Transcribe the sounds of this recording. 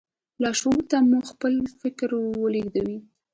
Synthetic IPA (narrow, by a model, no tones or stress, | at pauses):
lɑʃut̪amuxpəlfɪkɾwəleɡd̪awi